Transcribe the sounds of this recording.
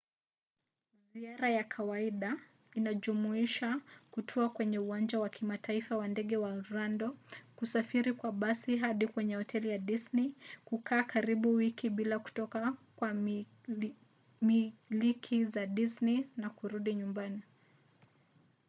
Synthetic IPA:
ziaɾajakʰawaiɗa | inaʄumuiʃakutʰɔakwɛɲɛuwand͡ʒawakʰimatʰaifawandɛɠɛwaɾandɔkusafiɾikwaɓasiɦaɗikwɛɲɛhɔtʰɛlijaɗisnikukʰaːkaɾiɓuwikiɓilaku̥tɔkakwa | milikʰizaɗisninakuɾuɗiɲumbani

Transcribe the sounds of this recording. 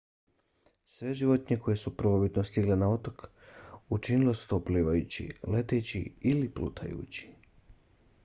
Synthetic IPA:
sʋe̞ʒiʋo̞t̪ɲeko̞je̞supɾʋobit̪nost̪iɡle̞nao̞t̪ok | ut͡ʃinile̞su̥t̪opliːʋajut͡ɕḭle̞t̪et͡ɕḭiliplṵːt̪ʰa̰jṵːt͡ɕi̥

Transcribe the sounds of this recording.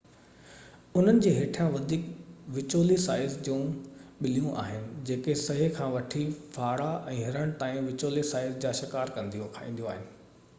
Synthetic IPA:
ʊn̤ənɪ̆d͡ʑeːɦeːʈʰijãʋɐd̪ʱiːkʋɪt͡ɕoːlisaːɪzd͡ʑũːɓɪlijũʔa̰ːɦɪnɪ̆d͡ʑeːkesɐɦikʰãːʋɐʈʰifaːɽaʔɛ̃ːɦɪɾəɽ̃t̪aːĩʋɪt͡ɕoːlisaːɪzd͡ʑaːʃɪkaːɾkɐ̃nd̪ijõkʰaːḭ̃ːn̆d̪joaːɦɪnɪ̆

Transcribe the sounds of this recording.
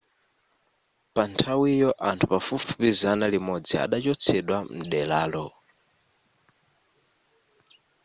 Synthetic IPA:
pantʰawijɔʔantʰupafufupizanalimɔd͡zia̰ɗat͡ʃɔt͡sʰɛɗwam̩ɗɛlaːlɔ

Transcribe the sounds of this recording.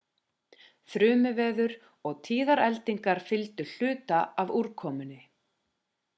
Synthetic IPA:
θɾʏːmʏvɛːðʏɾ | ɔɣt̪ʰiːðaɾɛlt̪iŋkaɾ̥fɪlt̪ʏl̥ʏːt̪aavuɾkʰɔːmʏnɪ

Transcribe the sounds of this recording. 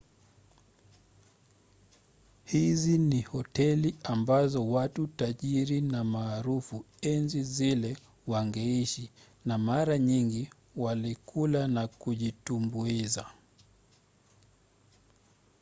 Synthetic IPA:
hizinihɔtɛliambazɔwatutaʄiɾinamaːɾufu | ɛnzizilɛ | waŋɡɛiʃi | namaɾaɲiŋɡi | walikʰulanakuʄitumbuiza

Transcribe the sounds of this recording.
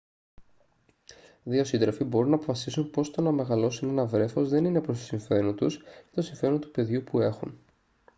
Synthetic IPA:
ðio̞sind̪ɾofibo̞ɾunːɐːpofɐsisunpo̞st̪onɐme̞ɣɐlo̞sune̞nɐvɾe̞fo̞zðe̞ninepɾost̪o̥siɱfe̞ɾont̪uscet̪osiɱfe̞ɾo̞nt̪u̥pe̞ðʝupue̞xun

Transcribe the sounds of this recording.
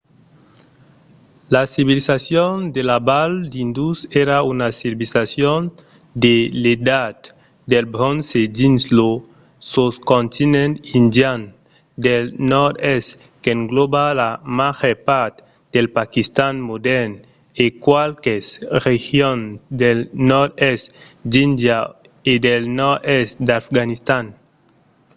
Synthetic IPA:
lasiβilisasjond̪elabald̪ind̪useɾaunasibilisasjon | d̪eled̪at̪ | d̪elbɾonsed͡ʒinslo | soskõnt̪inẽnt̪ind̪jan | d̪elnɔɾt̪est | keŋɡlobalamaxepaɾt̪ | d̪elpakist̪anmod̪ɛɾn | ekwalkesrexjonsd̪elnɔɾdest̪d̪ind̪ja | ed̪elnɔɾesd̪afɡanist̪an

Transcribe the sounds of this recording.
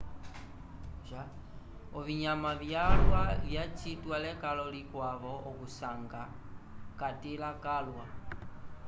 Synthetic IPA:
ʒa | ɔβiɲamaβjalwaljat͡ʃitwalɛkalɔlikwaβɔɔkusaŋɡa | katilakalwa

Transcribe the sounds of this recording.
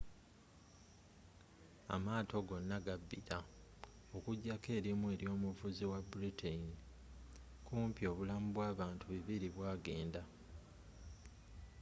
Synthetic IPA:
a̰maːto̞ɡo̞nːaɡabːiɾa | o̞kuɟːake̞ːɾimwe̞ːɾjo̞ːmuvuziwabuɾitʰain | kuːmpjo̞ːβulamuβwaːβaːntuβiβiɾiβwaːɡe̞ːnda

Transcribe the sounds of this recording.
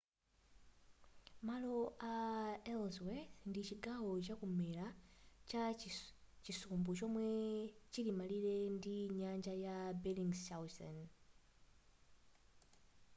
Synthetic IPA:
malɔʔaɛlzwɛθndit͡ʃiɡaɦɔt͡ʃakumɛlat͡ʃa | t͡ʃisumbut͡ʃɔmwɛt͡ʃilimalilɛndiɲand͡ʒajabɛliŋsawsɔ̰n

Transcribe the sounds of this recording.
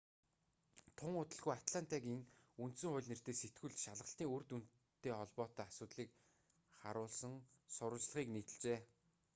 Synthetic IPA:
t̪ʰʊŋʊt̪ə̆ɮɣujat̪ɮan̥t̪akiŋunt̪sɘ̆ŋχʊ̟jɮʲner̥t̪eːset̪ɡŭɮʃaɮʁə̆ɬt̪iːŋurt̪un | t̪ːeːχɔɮpɔːt̪œːasʊːt̪ɮiːk | χa̰ɾʊːɮsə̆ŋsʊɾʊːt͡ɕɮə̆χiːkniːt̪ɘ̆ɮt͡ɕeː

